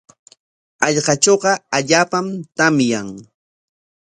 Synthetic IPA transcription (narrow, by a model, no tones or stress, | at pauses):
ɑʎɢɑt͡ʃoɢɑaʎaːpamt̪amjaŋ